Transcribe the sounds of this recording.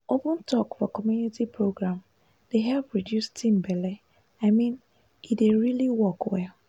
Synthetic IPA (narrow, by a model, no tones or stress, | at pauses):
opə̃ntʰɔkfɔkɔmjunitipʰɹoɡɹãm | d̥eɦɛlpɹidjustĩnbɛlɛ | aɪmĩn | ideɹiliwɔkwɛl